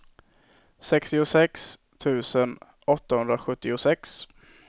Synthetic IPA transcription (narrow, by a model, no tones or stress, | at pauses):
sɛkst̪ɪʊsɛks | t̪ʰʉ̟ːsən | ɔt̪ːahɵnd̪ɾaɧɵt̪ːɪʊsɛks